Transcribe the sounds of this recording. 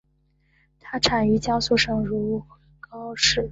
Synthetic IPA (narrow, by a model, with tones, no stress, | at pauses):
t̪ʰa˥ʈ͡ʂʰa˨˩ni˥˩t͡ɕjɑ˥ʊsu˥˩ʂɤ˨˩ŋɻu˧˥u˥˩xkɑ˥ʊʂɻ̩˥˩